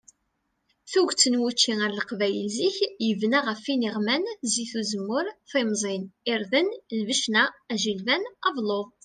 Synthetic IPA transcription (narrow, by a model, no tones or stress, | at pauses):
θuʝt͡sːənwut͡ʃːiŋəɾləqvæjəlziçjəvnaʁəfiniʁmænziθuzəmːʊɾθimzˤinɪɾðənlvəʃnææʒilvænɑvlˤoðˤ